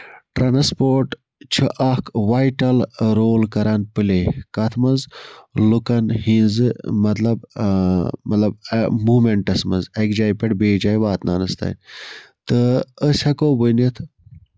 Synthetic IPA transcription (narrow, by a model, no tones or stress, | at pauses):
ʈɾʔanspoːɾʈ | t͡ʃʰɐʔakʋajʈɐlɾoːlkɐɾɐnpɨlekɐt̪ʰmɐzlukɐnhĩnzɨmɐt̪lɐb | mɐt̪lɐb̚muːmeɳʈɐsmɐ̰nzɐkd͡ʒajpeʈbeːd͡ʒaːjʋaːt̪na̰nɐst̪ɐ̰jn | t̪əəsʲhɐkoːbunɐt̪ʰ